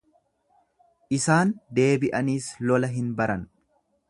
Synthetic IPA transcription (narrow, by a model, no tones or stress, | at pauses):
ʔɪsaːnd̪e̞ːbɪʔɐniːslɔlɐɦɪnbɐɾɐn